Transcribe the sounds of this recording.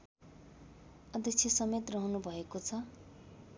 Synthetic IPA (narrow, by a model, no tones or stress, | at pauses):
ʌd̪jʌkt͡sʰjesʌmet̪rʌɦunubʱʌekot͡sʰʌ